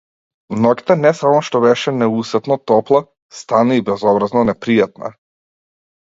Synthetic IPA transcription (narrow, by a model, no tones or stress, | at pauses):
mnɔkt̪ɛnɛsamɔʃt̪ɔβɛʃɛnɛusɛt̪nɔt̪ɔplˠa | st̪anaibɛzɔbɾaznɔnɛpɾijat̪̚na̰